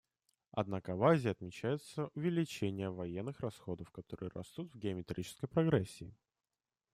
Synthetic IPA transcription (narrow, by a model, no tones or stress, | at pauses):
ɐ̰d̪nakəɐvazʲɪɐt̪mʲɪt͡ɕæjɪt̪səʔʊvʲɪlʲɪt͡ɕenʲɪjəvɐjenːɨxrɐsxo̞d̪əfkɐt̪o̞ɾɨ̰jəɾɐ̰st̪ut̪vɡʲɪəmʲɪt̪ɾʲʔit͡ɕɪ̥skəjpɾɐɡɾɛsʲːɪː